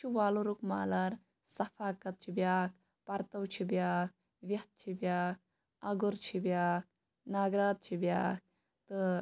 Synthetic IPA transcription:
t͡ʃʰiʋaːluɾukmaːlɐɾ | sɐfʰaːkɐt̪̚t͡ʃʰibjaːk̚ | pɐɾt̪ɐwt͡ʃʰibjaːk̚ | ʋjɐt̪̚t͡ʃʰibjaːk̚ | ɐɡuɾt͡ʃʰibʲjaːk̚ | naːɡɾaːt̪̚t͡ʃʰibjaːk̚ | t̪ɨ

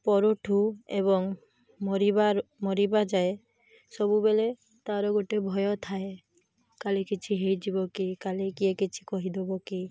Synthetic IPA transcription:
pɔɾoʈʰuḛβɔŋ | mɔɾibamɔɾibad͡ʒae | sɔbubele | t̪aɾɔɡoʈebʱɔjɔt̪ʰae | kalekit͡ʃʰiɦejd͡ʒibɔkikalekiekit͡ʃʰi̥kɔɦid̪ebɔki

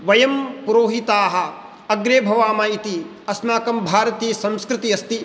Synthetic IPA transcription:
ʋɐjɐmpuɾoːɦit̪aːɦɐ̆ | ɐɡɾeːbʱɐʋaːmɐit̪i | ɐsnaːkɐmbʱaːɾɐt̪iːsɐ̃mskɾɪt̪iɐst̪i

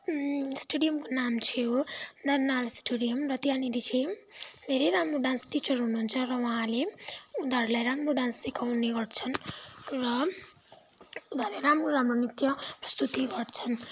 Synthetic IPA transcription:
sʈeɖijʌmkonamt͡sʰijonʌrnalsʈeɽijʌmrʌt̪janiɾit͡ʃʰed̪ʱeɾʌjɾamɾoɖãnsʈit͡sʌɾɦunuːnt͡sʰʌrʌwʌɦãleud̪ʱaɾlajɾamɾoɖãnssikʰawneɡʌʈt͡sʰʌnrʌ | ud̪ʱaɾleɾamroɾamɾonit̪jʌprʌst̪ut̪iɡʌɾt͡sʰʌn

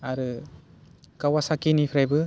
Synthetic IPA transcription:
aɾɯ | kawasakinipʰɯɾajbɯ

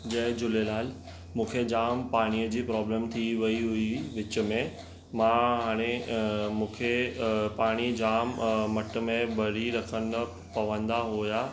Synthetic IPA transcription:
d͡ʑɐ̃ɦɪ̃d͡ʑʊlelaːl | mũːkʰed͡ʑaːmpaːɽ̃iəd͡ʑiːpɾɔːblẽːmt̪ʰiʋɐiɦʊiʋɪt͡ɕə̆mẽ | mãɦaːɽ̃emũːkʰepaːɽ̃id͡ʑaːmːɐʈə̆mẽbɐɽ̤iɾɐkʰən | pɐʋə̃nd̪aɦojaː

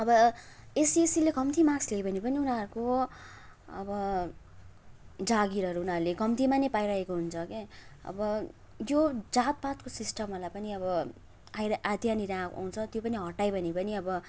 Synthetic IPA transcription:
ʌbʌesiesilekʌmt̪imaksleebʌnipʌniunaɾuko | ʌ̰bʌ | d͡zaɡiɾʌɾuːnaɾulekʌmt̪ʰimanʌjpajɾaekoɦunt͡sʰʌkeʌ̰bʌ | jod͡zat̪̚pat̪kosisʈʌmʌlajpʌniʌbʌ | aad̪ʱjaniɾãa̰w̃t͡sʰʌt̪jopʌniɦʌʈajbʱʌnipʌniʌbʌ

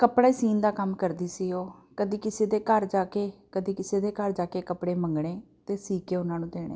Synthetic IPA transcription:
kəpɽaːiːsiːnd̪aːkəmkəɾd̪iːsiːoːkəd̪iːkɪseːd̪eːkəɾd͡ʒaːkeːkəd̪iːkɪseːd̪eːkəɾd͡ʒaːkeːkəpɽeːməŋɡɽeː | t̪eːsiːkeːʊnãːnũːd̪eːɽ̃ḛː

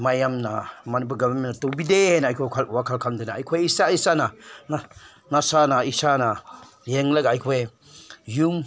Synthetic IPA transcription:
majamna̰manipuɡamamenatɔbidehenaajkʰokʰalwakʰalkʰamdɯjnaa̰jkʰojisaisana | nasanaisana | jeŋlɐkajkʰoj | jum

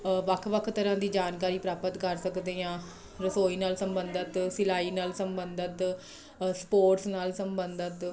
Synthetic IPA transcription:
ʋəkʰʋəkʰt̪əɾãːd̪iːd͡ʒaːnkaːɾiːpɾaːpət̪kəɾsəkd̪eːãː | ɾəsoːiːnaːlsəmbənd̪ət̪sɪlaːiːnaːlsəmbənd̪ət̪ | spoːʈsnaːlsəmbənd̪ət̪

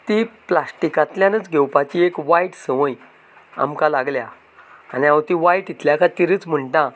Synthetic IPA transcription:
t̪iplasʈikãt̪ljãnət͡sɡʱewpat͡ɕiekʋaiʈsə̃ʋə̃j | a̰mkalaɡlja | aniawt̪ĩʋaiʈit̪ljakãt̪iɾɨːt͡sm̤əɳʈã

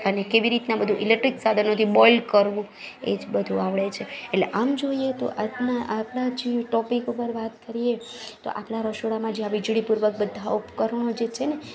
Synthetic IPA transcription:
ənekeʋiɾit̪nabəd̪ʱũʔilek̚ʈɾiksad̪ʱənət̪ʰibɔilkəɾʋũ | ḛd͡ʒbəd̪ʱũaʋɭet͡ʃʰeːleʔamd͡ʒoiet̪o̰ʔapnaʔapɽad͡ʒiʈɔpikupəɾʋat̪kəɾijet̪o̰ʔapɽaɾəʃoɽamãd͡ʒeaʋid͡ʒɽipuɾʋək̚bəd̪ʱːaupkəɾɳ̃od͡ʒet͡ʃʰene

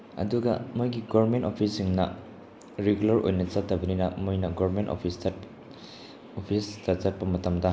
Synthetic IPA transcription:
ɐ̰duɡɐmojɡiɡoβɐɾmentopʰisiŋnɐ̰ | ɾeɡulɐɾʔo̰jnɐt͡ʃɐtːɐbɐninɐmojnɐɡoβɐɾmento̰pʰistɐ | opʰistɐt͡ʃɐt̚pɐmɐtɐmdɐ

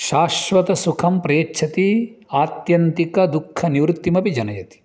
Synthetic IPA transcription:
ʃaːʃʋɐt̪ɐsukʰɐmpɾɐjɐʃʰɐt̪iaːt̪jɐnt̪ikɐd̪ukʰːɐniʋɾut̪ːimɐpid͡ʒɐnɐjɐt̪i̥

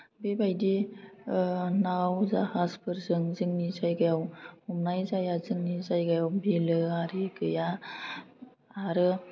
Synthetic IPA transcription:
bebajdi | nawzahazpʰɯɾzɯŋzɯŋnizajɡajawumnajzajazɯŋnizajɡajawbilɯaɾiɡɯja | aɾɯ

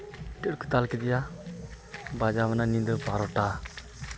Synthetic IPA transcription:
ʈɾku̥t̪alkɛd̪ija | bad͡ʒamananĩd̪ɔpaɾɔʈa

